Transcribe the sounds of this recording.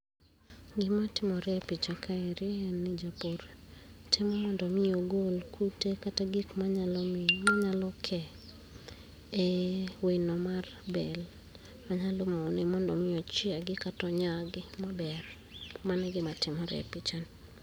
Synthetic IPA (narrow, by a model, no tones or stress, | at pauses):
ɡɪmatɪmɔɾɛpit͡ʃakʰaeɾɪɛnːid͡ʒapoɾtʰɪmɔmɔndɔmɪoɡolkʰutekataɡikmaɲalɔmmaɲalɔkʰɛ | ɛwenɔmarbɛl | maɲalomonemɔndɔmɪɔt͡ʃɪaɡɪkatɔɲaɡɪmabɛr | manɛɡɪmatɪmɔɾɛ̰pit͡ʃan